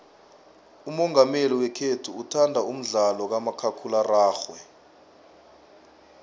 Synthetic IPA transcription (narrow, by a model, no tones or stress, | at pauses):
umɔŋameliwɛkʰetʰuːtʰandʱaum̩ɮalɔk̬amakʰakʰularaːxwɛ